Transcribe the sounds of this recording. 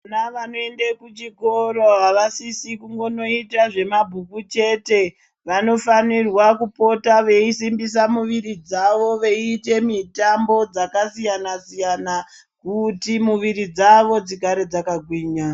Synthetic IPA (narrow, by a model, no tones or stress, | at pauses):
naʋanoe̞ndekut͡ʃikoɾoɦaʋasisikuŋɡo̞no̞itaʐe̞mabʱukut͡ʃe̞ːte̞ | ʋano̞fanirwakupo̞taʋe̞isimbis̬amuʋiɾid͡zaʋo̞ʋe̞ite̞mitambo̞d͡zakasijanasijana | kutimuʋiɾid͡zaʋo̞d͡zikaɾe̞d͡zakaɡʱwiːɲa